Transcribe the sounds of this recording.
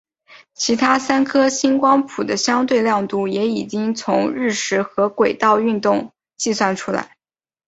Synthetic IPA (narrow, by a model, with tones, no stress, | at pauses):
t͡ɕʰi˧˥t̪ʰa˥sa˥nkʰɤ˥ɕi˥nkwɑ˥ŋpʰu˨˩d̪ə˦ɕjɑ˥ŋt̪we˥˧ɪljɑ˥˧ŋt̪u˥˩jɛ˧˥i˨˩t͡ɕi˥ŋt͡sʰʊ˧˥ŋɻɻ̩˥˩ʂɻ̩˧˥xɤ˧˥kwe˨˩ɪt̪ɑ˥˧ʊy˥˧nt̪ʊ˥˧ŋ | t͡ɕi˥˧swa˥˩nʈ͡ʂʰu˥la̰˧˥ɪ